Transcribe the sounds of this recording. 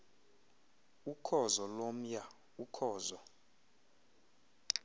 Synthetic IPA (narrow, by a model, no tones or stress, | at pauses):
ukʰɔzɔlom̩ja | ukʰɔːzɔ